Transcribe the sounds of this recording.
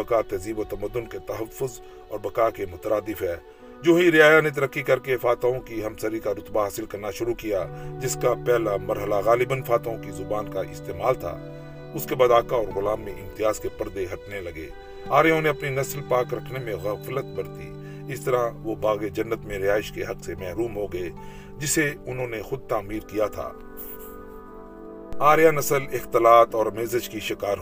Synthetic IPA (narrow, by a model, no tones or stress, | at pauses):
ɐkaːt̪ɛziːbot̪ɐməd̪ːʊnket̪ɐɦəfːʊz | ɔːɾbɐkaːkemʊt̪əɾaːd̪ɪfɦɛː | d͡ʒoːɦiɾɪjaːjanet̪̬ɐɾəkʰːikɐɾkefaːt̪aõkiɦɐmsəɾikaɾʊt̪baɦaːsɪlkɐɾnaʃʊɾukijad͡ʒɪskapɛɦlamɐɾɦəlaɣaːlɪbənfaːt̪aõkizʊbaːnkaʔɪst̪eːmaːlt̪ʰa̰ː | ʊskebaːd̪aːkaɔːɾɣʊlaːmːẽʔɪ̃mt̪ɪjaːzkepɐɾd̪eɦɐʈnelɐɡḛː | aːɾjõneɐpninɐslpaːkɾɐkʰnemẽɣɐflət̪̚bɐɾt̪ḭ | ɪst̪ɐɾaʋobaːɣed͡ʒɐnːət̪mẽɾɪaːɪʃkeɦɐksemɛɦɾuːmɦoɡɐe | d͡ʒɪseʊnɦõːnexʊd̪̚t̪aːmiːɾkijat̪ʰa̰ː | aːɾjanɐsəlɪxt̪ɪlaːt̪ɔːɾmeːzəd͡ʒkiʃɪkaːɾɦ